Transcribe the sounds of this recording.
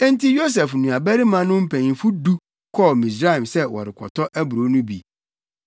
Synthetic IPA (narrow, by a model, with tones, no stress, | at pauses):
ɛ̃˦n˦ti˦jo˦s̬ɛ˨fnũ˨a˨bæ˦ɾi˦mã˦nʊ̃˦m̩˦pʰæ̃˨ɲĩ˨fu˦du˦ | kʰɔ˦˨mĩ˨s̬ɾa˦ĩ˨msɛ˦wɔ̰˨ɾɪ˨kʰɔ̰˨tʰɔ˦ʔæ˦bʊ˨ɾo˦nʊ̃˦bi˨